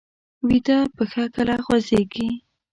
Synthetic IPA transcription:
wid̪apəxakəlaɣwazeɡi

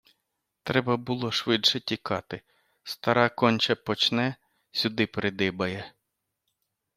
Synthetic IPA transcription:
t̪ɾɛbɐbʊlˠɔʃʋɪdʃɛtʲikɑt̪ɪ | st̪ɐɾɑkɔnʲt͡ʃɐpɔt͡ʃnɛ | sʲʊd̪ɪpɾʔɪd̪ɪbɐjɛ

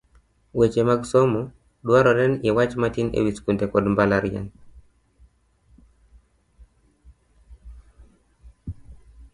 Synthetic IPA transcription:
wet͡ʃemaɡsomu | ɗwaɾɔdɛnjewat͡ʃmatinḛwiskuntekɔdmbalaɾja̰n

